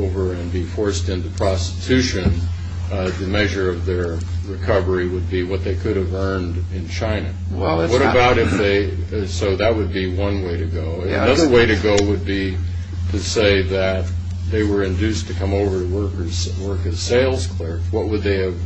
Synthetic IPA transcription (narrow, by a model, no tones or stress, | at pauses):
oʊvə˞ɨ̃nbifɔɹstɨ̃nðɨpʰɹ̥ɑstɨ̥tʰʉʃɨ̃n | ðɨmɛʒə˞ʌvðə˞ | ɹɨkʰʌvə˞iwəd̚biwʌt̪̚ðeɪkʰʊɾɨvɜ̃˞ndɪ̃nt͡ʃʰãɪ̃nɨ | wɛwʌɾɨbaʊɾɨfðeɪsoʊðɨt̚wəd̚biwʌ̃nweɪɾɨɡoʊnʌðə˞weɪɾɨɡoʊwəd̚bi | ɾɨseɪðɨt̪̚ | ðeɪwə˞ɨ̃ndʉstʰɨkʰʌ̃moʊvə˞ɾəwɜ˞kə˞z̥wɜ˞kɨz̥seɪlˠz̥kʰl̥ɪ˞fwʌt̚wəd̪̚ðeɪɨv̥